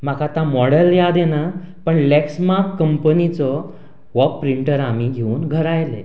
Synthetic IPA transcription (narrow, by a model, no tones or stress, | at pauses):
m̤akʰat̪ãmɔɽəljad̪ena | pəɳlɛksmakkəmpənit͡sɔ | ʋɔppːɾiɳʈəɾamiɡʱeuːnɡʱəɾajle